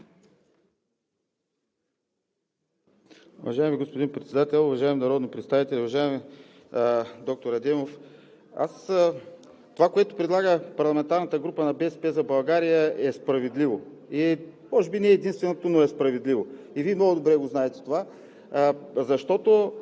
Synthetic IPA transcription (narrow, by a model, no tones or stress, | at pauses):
ʊvɐ̰ʒaɛmiɡospod̪inpɾɛt̪sɛd̪at̪ɛlˠʊvɐʒaɛminɐɾɔd̪nipɾɛt̪st̪avit̪ɛlʲɛʊvɐʒaɛmi | d̪ɔk̚t̪oɾɐd̪ɛmof | a̰s | t̪ovakoɛt̪ʊ̥pɾɛd̪lˠaɡəpɐɾlˠɐmɛnt̪aɾnət̪əɡɾupənɐbɛspɛzɐbɐlˠɡaɾijəɛspɾɐvɛd̪livoi | ɔʒɛbinɛɛːd̪inst̪vɛnot̪onoɛspɾɐvɛd̪livo | iviɛmnɔɡʊd̪obɾɛɡoznaɛt̪ɛ̥t̪ova | zɐʃt̪ɔt̪o